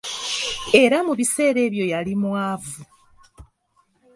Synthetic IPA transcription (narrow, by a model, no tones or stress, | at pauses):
e̞ɾamuβise̞ːɾe̞ːβjo̞jalimwaːvu